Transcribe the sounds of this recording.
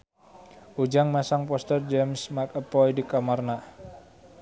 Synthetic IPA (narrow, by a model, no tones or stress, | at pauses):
ʔud͡ʒaŋmasaŋpɔst̪ərd͡ʒɛmsmarkəpɔjdikamarna